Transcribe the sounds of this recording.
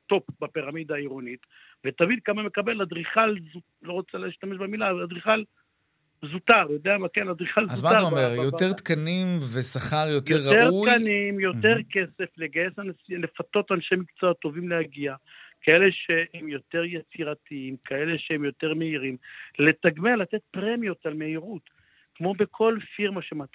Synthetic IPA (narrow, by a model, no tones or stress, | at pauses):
t̪o̞pbapiʁamid̪aiʁonit̪ | vet̪avidkamame̞kabe̞lad̪ʁiχalzu | lo̞ʁot͡saliʃt̪ameʃbemilavalad̪ʁiχal | zut̪aʁjod̪eamakenad̪ʁiχalzazumaaomeʁjoteʁt̪kanimvesaχaʁjotjjeʁːaeʁukanimjo̞t̪e̞ʁke̞se̞fleɡaje̞sansile̞fat̪o̞t̪anʃemikt͡soot̪ːo̞vimlehaɡia | kae̞leʃehemjo̞t̪e̞ʁjet͡siʁat̪iimkae̞leʃehemjo̞t̪e̞ʁme̞iʁimle̞t̪aɡmealat̪e̞t̪̚pʁemijot̪alme̞iʁut̪ | kmo̞be̞kʰo̞lfiʁmaʃemat̪